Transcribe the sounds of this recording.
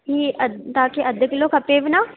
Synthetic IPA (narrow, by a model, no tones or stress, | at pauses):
ɦiːəd̪t̪aːkeʔəd̪əkloːkʰəpeːʋnaː